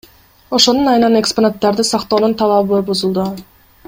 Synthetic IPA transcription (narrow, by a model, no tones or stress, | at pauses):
o̞ʃo̞nunɑjɯnɑne̞ksponat̪ːɑɾd̪ɯsɑqt̪oːnunt̪ʰɑlˠɑpbojbuzulˠd̪u